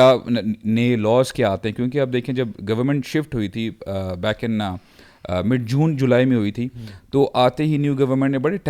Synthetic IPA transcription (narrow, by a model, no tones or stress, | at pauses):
aːneelɔːzkeaːt̪eɦɛ̃kjõːkeɐb̚d̪eːkʰẽd͡ʒɐbɡɐʋəɾmɛ̃ɳʈʃɪfʈɦoːit̪ʰibɛːkɪnːa | mɪɖ̚d͡ʒuːnd͡ʒʊlaːimẽɦoːit̪ʰit̪oːʔaːt̪eɦinjuːɡɐʋəɾmẽɳʈnẽbɐɽeʈ